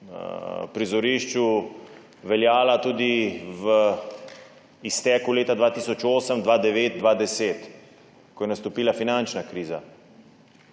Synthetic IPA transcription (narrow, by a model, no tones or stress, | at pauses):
pɾizɔɾiːʃt͡ʃu | ʋɛljaːlat̪uːd̪iʋə | ist̪ɛːkuleːt̪ad̪ʋaːt̪iːsɔt͡ʃoːsəmd̪ʋaːd̪ɛʋeːt̪̚d̪ʋaːd̪ɛseːt̪ | kɔjɛnast̪ɔpiːlafinant͡ʃnakɾiːza